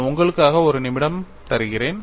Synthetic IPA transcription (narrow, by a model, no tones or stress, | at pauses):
ʊŋɡɐɭɯkːaːɣɐɔɾɯnɪmɪɽɐm | t̪ɐɾɯɣɪreːn